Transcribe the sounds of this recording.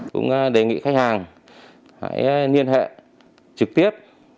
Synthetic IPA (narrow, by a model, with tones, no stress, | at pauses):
kʊ̰˧˥ŋ͡mɗe˨˩ŋḭ˧˨xa˦˥k̚haː˨˩ŋ | ha̰ː˧˥jni˧ənɦḛ˧˨ | t͡ɕɨ˨˩k̚t̪i˦˥əp̚